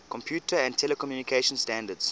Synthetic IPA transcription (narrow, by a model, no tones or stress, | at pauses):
kʰɔ̃mpʰjuːtʰəɛ̃ntʰɛlɛkɔmjuːnikʰeʃə̃nstæ̃ndəds